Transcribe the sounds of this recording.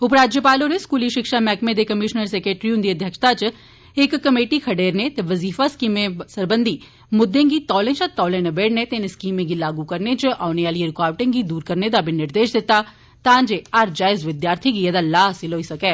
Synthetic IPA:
ʊpɾaːd͡ʒjəpaːloːɾeskuːliʃɪkʃamɛːkmẽd̪ekəmɪʃnəɾseːkɾeːʈɾiũnd̪iːəd̪ʱjəkʃt̪at͡ʃ | ɪkːəmeːʈikʰɐɖeːɾnet̪eʋəziːfaskiːmẽsəɾbənd̪iː | mʊd̪ːẽːɡit̪ɔːlẽːt͡ʃat̪ɔːlẽnebeːɽnet̪enskiːmẽɡilaːɡukəɾnet͡ʃʔaːʊneaːlieɾɪkaːʋʈẽŋɡid̪uːɾkəɾned̪abʱinɪɾd̪eːʃd̪ɪt̪ːa | t̪ãːnd͡ʒeaɾd͡ʒaːɪzʋɪd̪jaːɾt̪ʰiɡied̪alaːsɪloːisɐkɛː

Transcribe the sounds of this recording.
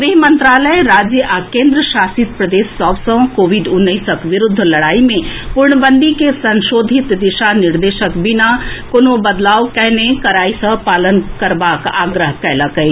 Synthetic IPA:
ʋeːɦmə̃nt̪ɾaːləjɾaːd͡ʒjəʔakẽːnd̪ɾəʃaːsɪt̪̚pɾəd̪eːsːɔːʋsə̃wkoːʋiɖʊnːəisəkʋɪɾʊd̪ʱːlɐɽaːimẽpʊɾɳəbənd̪ʱikesɐ̃nʃoːd̪ʱit̪d̪ɪʃanɪɾd̪eːʃəkbɪnakoːnobəd̪laːʋkɛɦnekɐɾaːisəpaːlənkɐɾbaːkaːɡɾəɦkɛɦləkəi

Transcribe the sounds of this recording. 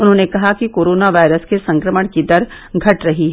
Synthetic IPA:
ʊnɦõːnekɐɦakikoːɾoːnaʋaːɪɾəskesɐ̃ŋkɾəməɽ̃kid̪ɐɾ | ɡʱɐʈɾɐɦiɦ

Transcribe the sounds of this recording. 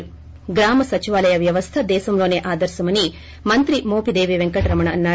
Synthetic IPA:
ɡɾaːmɐsɐt͡ʃiʋaːlɐjɐʋjɐʋɐst̪ʰɐd̪ɛːsɐmloːneːʔaːd̪ɐɾsɐmɐni | mɐnt̪ɾimoːpid̪eːʋiʋeŋkɐʈɾɐmɐɳɐnːaː

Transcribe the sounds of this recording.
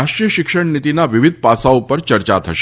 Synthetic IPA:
aʃʈɾijəʃɪkʃəɳnit̪inaʋɪʋid̪̚ʱpasaopəɾt͡ʃəɾt͡ʃat̪ʰəʃ

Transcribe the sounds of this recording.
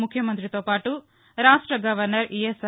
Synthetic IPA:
mukʰjɐmɐnt̪ɾit̪oːpaːʈu | ɾaːʂʈɾɐɡɐʋɐɾnɐɾʔies

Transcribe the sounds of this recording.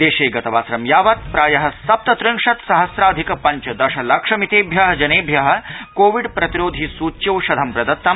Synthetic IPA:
d̪eːʃeːɡɐt̪ɐʋaːsɾɐmjaːʋɐt̪̚pɾaːjɐɦɐ̆sɐp̚t̪ɐt̪ɾiŋʂɐt̪sɐɦɐsɾaːd̪ʱikɐpɐɲt͡ʃɐd̪ɐʃɐlɐkʂɐmit̪eːbʱjɐɦɐd͡ʒɐneːbʱjɐɦɐ̆koːʋiɖpɾɐt̪iɾoːd̪ʱisuːtt͡ʃewʃɐd̪ʱɐmpɾɐd̪ɐt̪ːɐm

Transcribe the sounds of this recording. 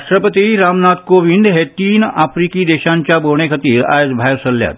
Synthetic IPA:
ʃʈ̪ɾəpət̪iɾaːmnaːt̪koʋĩnd̪ɦet̪iːnaːfɾiːkid̪eːʃaːnt͡ʃaboːɽ̃ekʰɐt̪iːɾa̰ːjed͡ʒbʱaːjsɐlːja̰ːt̪

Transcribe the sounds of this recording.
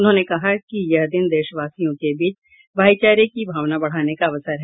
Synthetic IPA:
ʊnɦõːnekɐɦakijɐɦd̪ɪnd̪eːʃəʋaːsijõkebiːt͡ʃ | bʱaːit͡ʃaːɾekibʱaːʋnabɐɽ̤aːnekaʋəsəɾɦɛ

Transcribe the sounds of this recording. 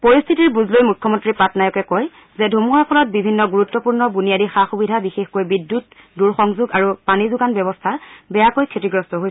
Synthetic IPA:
pɔɹist̪ʰitiɹbuzlojmukʰːɔmɔntɹipatnajɔkɛkɔj | zɛdʱumɔɹɔkʰɔlɔt̚bibʱinːɔɡuɹutːɔpuɹnɔbunijadixaxubidʱabixexkojbidːut | duɹxɔŋzuɡaɹupanizʊɡanbjɔbɔstʰabɛjakojkʰetiɡɹɔstɔɦoj

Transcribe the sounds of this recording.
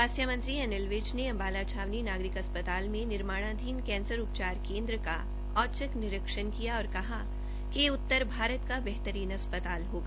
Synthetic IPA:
aːsjəmə̃nt̪ɾiɐnɪlʋeːt͡ʃneɐ̃mbaːlat͡ʃʰaːʋninaːɡɾɪkɦɐspət̪aːlmẽnɪɾmaːɽ̃ad̪ʱiːnkɛ̃ːnsəɾʊpt͡ʃaːɾkẽːnd̪ɾəka̰ | ɔːt͡ʃəknɪɾəkʃənkijaɔːɾkɐɦa | keʊt̪ːəɾbʱaːɾət̪kabɛɦt̪əɾiːnɐspət̪aːlɦoːɡa

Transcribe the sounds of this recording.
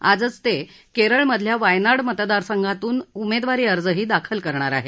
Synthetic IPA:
a̰d͡zət͡st̪e | keɾəɭməd̪ʱljaʋajnaɽmət̪d̪aɾsəŋɡʱat̪uːnumed̪ʋaɾiːəɾd͡zəɦiːd̪akʰəlkəɾɳaɾa̰ɦe

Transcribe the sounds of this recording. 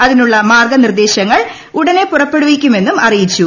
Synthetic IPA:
ɐðinuɭːɐmaːrɡɐnird̪e̞ːɕɐŋːɐɭ | uɽɐne̞purɐpːe̞ɽuʋikʲːume̞nːumɐrijit͡ɕːu

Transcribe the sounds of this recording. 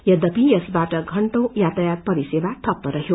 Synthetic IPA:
jʌd̪ʌpijesbaʈʌɡʱʌɳʈõjat̪ajat̪̚pʌɾisebat̪ʰʌp̚t̪ʌɾʌɦjo

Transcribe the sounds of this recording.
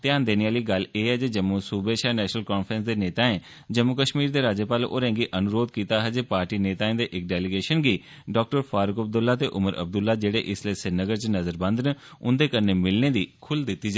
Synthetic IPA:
t̪ɪaːnd̪eːnijaːliːɡəleːɦɛːd͡ʒeːd͡ʒəmːosuːbeːʃaːnɛːʃnəlkɔːnpʰɾə̃nsd̪eːneːt̪aːẽː | d͡ʒəmːʊkəʃmiːɾd̪eːɾaːd͡ʒəpaːlʔo̰ːɾɛ̃ːŋɡiːʔənʊɾoːd̪̚kiːt̪aːɦɛːd͡ʒeːpaːɾʈiːneːt̪aːẽːd̪eːʔɪk̚ɖɛːlɪɡeːʃənɡiː | ɖɔːk̚ʈəɾfʰaːɾʊkəb̚d̪ʊlːaːt̪eːʔʊməɾə̰b̚d̪ʊlːaːd͡ʒeːɽeːʔɪsleiːsɪnəɡəɾt͡ʃnəzəɾbə̃nd̪nəʊnd̪eːkəɾneːmɪlneːd̪iːkʰʊld̪ɪt̪ːiːd͡ʒaː

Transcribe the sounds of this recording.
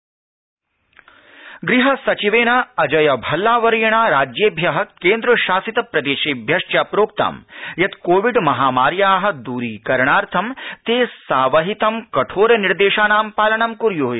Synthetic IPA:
ɡɾiɦɐsɐt͡ʃiʋeːnɐɐd͡ʒɐjɐbʱɐlːaːʋɐɾjɐɳaːɾaːd͡ʒjeːbʱjɐɦɐ̆keːnd̪ɾɐʃaːsit̪ɐpɾɐd̪eːʃeːbʱjɐʂt͡ʃjɐpɾoːk̚t̪a̰ːmjɐt̪koːʋiɖmɐɦaːmaːɾjaːɦɐ̆d̪uːɾiːkɐɾɳaːɾt̪ʰɐmt̪eːsaːʋɐɦit̪ɐmkɐʈʰoːɾɐniɾd̪eːʃaːnaːmpaːlɐɳɐmkuɾjoːj

